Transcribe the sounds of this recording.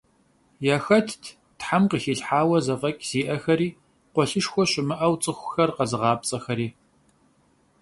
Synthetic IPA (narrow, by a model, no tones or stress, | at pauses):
jaːxɐtʰ | tħamqəxiːɬħaːwɐzɐfʼɐkʼz̥iːʔɐxɐɾiː | qʷɔɬɨʂxʷɔɕʼɪmɨʔɐwt͡sʼɨxʷʊxɐrqɐzɨʁɑːp̚t͡sʼɐxɐɾiː